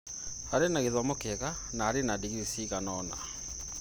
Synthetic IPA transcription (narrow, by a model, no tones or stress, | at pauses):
haɾenaɣeðwamokeɣa | naːɾenadiɣisiɣanɔna̰